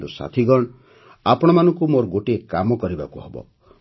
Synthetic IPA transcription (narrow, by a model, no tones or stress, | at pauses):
d̪usa̰t̪ʰiɡɔɽ̃ | apɔɽ̃ɔmanɔŋkumoɾɔɡoʈiekamɔkɔɾiba̰kuɦebɔ̰